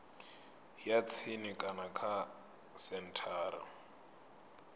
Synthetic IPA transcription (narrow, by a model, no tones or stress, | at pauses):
jat͡sʰinikʼanakʰa | sɛn̩tʰaːɾa̰